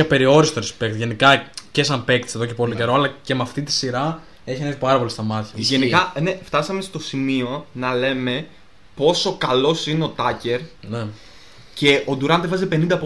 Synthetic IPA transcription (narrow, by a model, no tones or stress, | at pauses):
ɐpe̞ɾio̞ɾist̪oɾespe̞kt̪ʝe̞nikɐcesɐmpe̞k̚t̪i̥se̞ðo̞ce̞po̞lice̞ɾo̞ɐlɐce̞mɐft̪it̪i̥siɾɐ | e̞çinekipɐɾɐpo̞list̪ɐmɐt̪çɐʝenikɐneft̪ɐsɐme̞st̪o̞simio̞nɐle̞me̞ | po̞so̞kɐlo̞sineo̞t̪ɐce̞ɾne | ce̞ʔo̞d̪uɾɐnd̪evɐzepe̞nind̪ɐpo